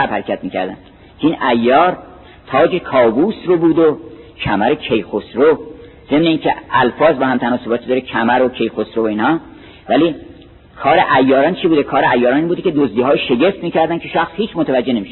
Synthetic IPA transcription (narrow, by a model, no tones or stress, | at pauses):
æbhæɾekʲʰæt̪̚miːcʰæ̰ɾd̪æ̰n | kʰeiːnʔæjːɒːɾ | t̪ʰɒːd͡ʒe̞kʰɒːbuːsɾobuːd̪ocʰæmæɾocʰe̞jxosɾo | z̥e̞mneiːncʰeælfɒːzbɒhæmt̪ʰænɒːso̞bɒːt̪ʰid̪ɒːɾecʰæmæɾo̞cʰe̞jxosɾovoiːnhɒː | væliː | kʰɒːɾeʔæjːɒːɾɒːnt͡ʃʰibuːd̪ekʰɒːɾeæjːɒːɾɒːniːnbuːd̪ecʰe̞d̪ozd̪iːɦɒːjʃe̞ɟe̞ft̪miːcæɾd̪ænkʰe̞ʃæxshiːt͡ʃʰmot̪ʰævæd͡ʒːe̞nemiʃe̥